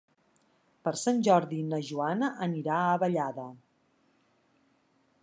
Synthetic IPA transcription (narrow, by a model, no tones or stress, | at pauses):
pəɾsanʲʒɔɾðinəʒuanəʔəniɾaəβəʎaðə